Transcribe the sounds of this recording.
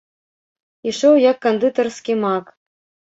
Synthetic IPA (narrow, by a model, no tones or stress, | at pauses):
iʃowjɑkːand̪ɨt̪orskʲimɑk